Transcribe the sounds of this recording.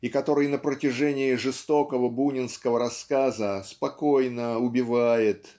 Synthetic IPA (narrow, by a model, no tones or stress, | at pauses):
ikɐt̪o̞ɾɨjnəpɾətʲɪʐɛnʲɪɪʐɨst̪o̞kəvəbunʲɪnskəvəɾɐskazəspɐko̞jnəʊbʲɪvajɪt̪